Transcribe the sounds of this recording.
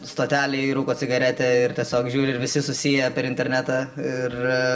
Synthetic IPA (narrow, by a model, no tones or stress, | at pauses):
st̪oːt̪ʲæːlʲɛɪɾuːkoːt͡ssʲɪɡɐɾʲæt̪ʲɛɪrt̪ʲiɛsʲoːkʒʲuːɾʲɪɪɾʋʲɪsʲɪsʊsʲijɛpʲɛɾɪnʲt̪ʲɛɾʲnʲæːt̪ɑɪr